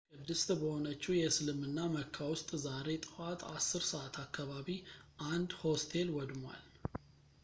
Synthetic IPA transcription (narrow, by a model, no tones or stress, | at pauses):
kɨd̪ɨst̪bəho̞nət͡ʃːujɛsɨlɨmɨnːaməkʰːawʊst̪ʼzaɾe̞t̪ʼɨ̥at̪ʰʼasːɨɾsəʔat̪ʰakːaβaβiʔand̪ho̞st̪ʰe̞lwɔd̪mwa̰l